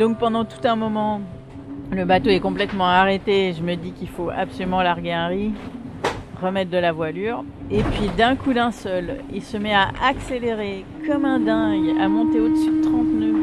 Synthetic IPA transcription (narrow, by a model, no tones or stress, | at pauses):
d̪ɔ̃k̚pɑ̃d̪ɑ̃t̪u̥t̪ɛ̃mɔmɑ̃ | ləbat̪oɛkɔ̃plɛt̪mɑ̃aʁet̪eʒəməd̪ikʲilfoa̰psɔlymɑ̃laʁɡʲeɛ̃ʁi | ʁəmɛt̪̚d̪əlavwalyːʁ | epɥid̪ɛ̃kud̪ɛ̃sœlilsəmɛaʔakseleʁekɔmɛ̃d̪ɛ̃ɡa̰mɔ̃t̪eod̪əsyd̪ət̪χɑ̃t̪nø